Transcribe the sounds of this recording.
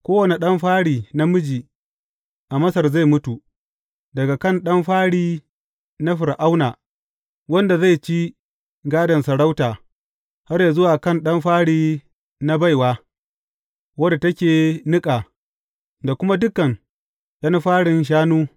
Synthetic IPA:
kʷoː˦wɐ˨ne˨ɗɐ˦mɸaː˦ɽiː˨na˦mʊ˦d͡ʒiː˨ | ʔa˨mɐ˦sɐ˨rza˦˨jmʊ˦tu˨ | dɐ˨ɡa˨kɐ˦˨nɗɐ˦mɸaː˦ɽiː˦ | na˦ɸɪ˨ɾʔa˦wnaː˨ | wɐ˦nda˨za˦˨jt͡ʃi˦ | ɡaː˦dɐ˨nsɐ˨ɽa˦wtaː˨ | ha˦rjaː˨zʊ˦waː˨kɐ˦nɗɐ˦mɸaː˦ɽiː˦ | na˦ba˦˨jwaː˦ | wɐ˦da˨tɐ˦kʲeː˨nɪ˦kʼaː˨ | da˨kʷʊ˦ma˦dʊ˦kːɐ˨ŋ | ɗɐ˦nɸaː˦ɽɪ˨nʃ̬aː˦nuː˦

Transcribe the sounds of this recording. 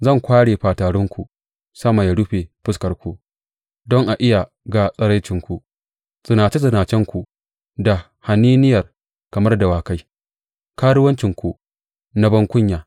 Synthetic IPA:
zɐ˦˨ŋkʷaː˦ɽeː˨ɸaː˨taː˨ɽɔ˦ŋkʷu˨ | sɐ˦ma˨ja˨ɽʊ˦ɸeː˨ɸɪ˦skɐ˨rkʷu˨ | dɔ˦ŋʔa˨ʔɪ˦ja˨ | ɡa˨sʼɐ˦ɽa˦jt͡ʃɪ˨ŋkʷu˨ | z̥ʼɪ˨naː˨t͡ʃe˦zʼɪ˨naː˨t͡ʃɛ˦ŋkʷu˨ | da˨ | ha˨niː˦nɪ˦jɐ˨r | kɐ˨mɐ˦rda˨waː˨ka˦j | kaː˦ɽʊ˦wɐ˦nt͡ʃɪ˨ŋkʷu˨ | na˦bɐ˦ŋkʷʊ˦ɲjaː˨

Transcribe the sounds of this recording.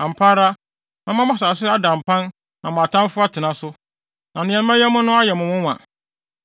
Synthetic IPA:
ã˨m̩˨pʰaː˦ɾa˦ | nã˨m˦ã˦mã˦s̬aː˨s̬ɪ˦a˦dã˨m˨pʰã˦n | nʔã˨mʊ̃˨a˨tʰã˦m˦fʊ˦a˦tʰɪ˨nã˨sʊ˦ | nã˨nɪ̃˨ɛ̃˨˦mã˦jɛ˦mʊ̃˦nʊ̃˦a˦jɛ˨mʊ̃˨mʊ̃˦wã̰˨

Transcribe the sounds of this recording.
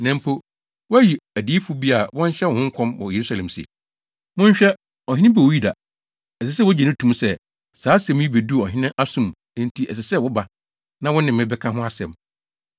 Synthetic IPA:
nɛ̃˨mpʰo˦ | wɔ˦æ˦ji˨æ˨diː˨˦fu˦bi˦a˨wɔ̃˦n˦ɕɛ˦wɔ˨hʊ̃˦ŋ̩˦kʷʰɔ̃˦mwɔ̰˨je˨ɾu˦sa˨lɛ̃˨msḭ˨ | mʊ̃˦ɲ˦ɕᶣɛ˦ | ɔ˨hɪ̃˦nɪ̃˦bɛ˨˦ji˦da̰˨ | ɛ˨sɛ˨s̬ɛ˦wɔ˦d͡ʑi˨nɪ̃˦tʰũ˨msɛ˦ | saː˨˦sɛ̃˦m˦ji˦be˨du˦˨ɔ˨ɦɪ̃˦nɪ̃˦ʔa˦sʊ̃˨m | ñ˦n˦tʰi˦ʔɛ̰˨s̬ɛ˨sɛ˦˨wɔ˦ba˨ | nã˦wɔ̃˦nɪ̃˨mː˨ɪ̃˦bɛ˦kʰã˦ɦʊ̃˦a˦sɛ̃˨m

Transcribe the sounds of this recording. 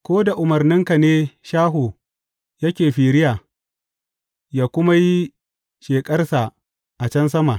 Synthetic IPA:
kʷoː˦da˨ʔʊ˨mɐ˨rnɪ˦ŋka˨neː˦ʃaː˦ɦo˨ | jɐ˦kʲeː˨ɸiː˨ɾɪ˦jaː˨ | jaː˦kʷʊ˦ma˦ji˦ | ʃeː˨kʼɐ˦rsa˨ | ʔa˨t͡ʃɐ˦ns̬ɐ˦ma˨

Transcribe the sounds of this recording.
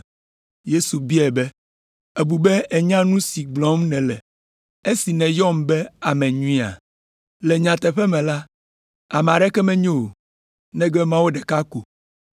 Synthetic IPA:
je˦su˨bi˦ɛ˨bɛ˦ | e˨bu˨bɛ˦e˨ɲã˦nũ˦si˨ɡ͡blɔ̃˦mnɛ̃˨lɛ˨ | e˦si˨nɛ̃˨jɔ˦mbɛ˦a˨mɛ̃˨ɲũ˦ĩ˦a̰˨ | lɛ˨ɲã˨t̪ɛ˨ɸɛ˦mɛ̃˨la˦ | a˨m˨a˨ɖɛ˦kɛ˦mɛ̃˦ɲo˦˨o˨ | nɛ̃˦ɡɛ˦mã˦wo˦ɖɛ˨ka˦ko˨

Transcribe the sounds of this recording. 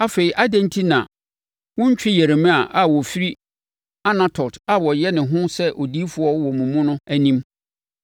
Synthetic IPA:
a˦fe˨i˨ʔa˦dæ̃˦ntʰi˦nã̰˨ | wʊ̃˦ɲ̩˦t͡ɕᶣɪ˦jɛ˨ɾe˨mɪ̃˦a˨ʔa˨wɔ˨fi˦ɾi˦ | a˦nã˦tʰɔ˨ta˨wɔ˨jɛ˦nɪ̃˨ɦʊ̃˦sɛ˦ʔo˨di˦fʊ˦ɔ˦wɔ˨mũ˨mũ˦nʊ̃˦æ˦nĩ˦m

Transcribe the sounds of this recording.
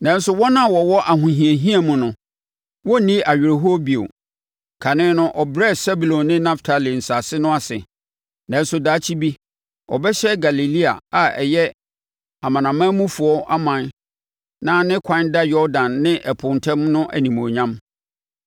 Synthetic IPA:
nã˨˦n˦sʊ˦wɔ˦nã˦˨wɔ˨wɔ˦ʔa˨ɦʊ̃˨ɦĩ˨e˨ɦĩ˦a˨mʊ̃˨nʊ̃˨ | wɔ˦nĩ˦ʔa˨ɥɪ˨ɾe˨ɦo˦ɔ˦bi˨o̰˨ | kʰa˨nɪ̃˦nʊ̃˦ʔɔ˨bɾɛ˦˨sɛ˦bu˨lɔ̃˨nnɪ̃˦nã˦ftʰa˨li˨n̩˨sa˨sɪ˦nʊ̃˦a˨sɪ̰˨ | nã˨˦n˦sʊ˨daː˨˦t͡ɕʰi˦bi˦ | ɔ̰˨bɛ˦ɕɛ˦ɡa˨li˨li˦a˨a˨ɛ̰˨jɛ˦ | a˨mã˨nã˨mã˦mũ˦fʊ˨ɔ˦ʔa˦mã˨n | nã˦nɪ̃˦kʷʰã˦nda˦jɔ˦ɾdã˨nːɪ̃˦ʔɛ˨pʰʊ̃˨ntʰɛ̃˦mnʊ̃˦ʔæ̰˨nĩ˨mõ˨ɲã˦m

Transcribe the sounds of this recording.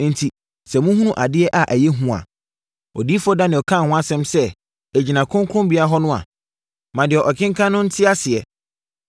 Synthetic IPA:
n˨n̩˨tʰi˨ | sɛ˨mũ˦hũ˦nũ˦˨ʔa˨dɪ˦ɛ˦ʔa˨ʔæ˨jɛ˦ɦũ˦ã̰˨ | ɔ˨di˦fɔ˦da˦nɪ̃˨ɔ˨kʰã˦˨hʊ̃˦a˦sɛ̃˦msɛ˦ | æ˨d͡ʑi˨nã˨kʰʊ̃˦ŋkʰɾʊ̃˦bi˨˦a˦ɦɔ˦nʊ̃˦a̰˨ | mã˨dɪ˨ɛ˨ʔɔ˨kʰɪ̃˦ŋ˦kʰã˦nʊ̃˦n̩˦tʰɪ˦a˦sɪ˨ɛ˨

